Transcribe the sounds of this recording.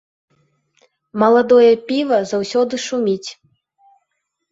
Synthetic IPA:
mɐlˠad̪ɔjɐpʲivɐzawsʲɔd̪ɨʂumʲit͡sʲ

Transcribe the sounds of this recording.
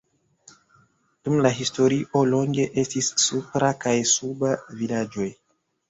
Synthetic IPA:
d̥umlaɦisto̞ɾiʔo̞lo̞ŋɡe̞ʔe̞stisːupɾakajsubavilad͡ʒo̞j

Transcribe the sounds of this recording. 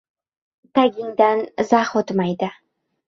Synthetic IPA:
t̪ʰaɡʲɪŋd̪anzahot̪majd̪ɪ

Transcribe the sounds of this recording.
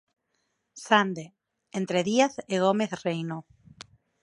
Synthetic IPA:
sand̪e | ent̪ɾeðiaθeɣ̞omeθrejno

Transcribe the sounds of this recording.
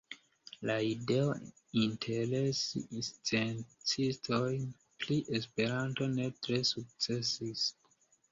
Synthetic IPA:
laide̞o | intʰeɾe̞sist͡sent͡sistʰo̞jn | pliʔespe̞ɾanto̞ne̞tɾe̞suk̚t͡se̞sis

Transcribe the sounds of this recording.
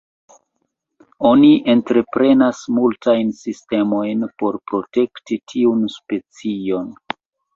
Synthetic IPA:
o̞niʔe̞ntɾe̞pɾe̞nasmultajnsiste̞mo̞jnpo̞ɾpɾo̞te̞ktitʰiunspe̞t͡sio̞n

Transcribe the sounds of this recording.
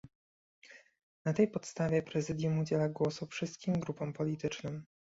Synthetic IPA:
nat̪ɛjpɔt̪st̪avʲjɛpɾɛzɘd̪ʲjumud͡ʑɛlaɡwɔsufʂɘst̪̚kʲimɡɾupɔ̃mpɔlʲit̪ɘt͡ʂnɔm

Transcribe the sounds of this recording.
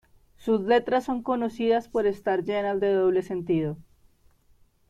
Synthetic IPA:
suzle̞t̪ɾasːo̞ŋko̞no̞siðaspo̞ɾe̞st̪aɾd͡ʒe̞nazd̪e̞ðoβle̞se̞nt̪iðo

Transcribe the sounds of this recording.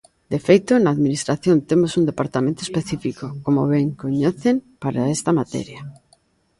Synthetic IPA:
d̪efejt̪onaːðminist̪ɾaθjont̪emosund̪epaɾt̪amẽnt̪oespeθifikokomoβeŋkoɲeθempaɾaest̪amat̪ɛ̰ɾja

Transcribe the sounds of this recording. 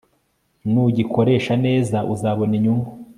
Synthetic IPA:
nuɟikʰo̞ɾe̞ːʃane̞ːzaʔuzaːβo̞niɲuŋɡu

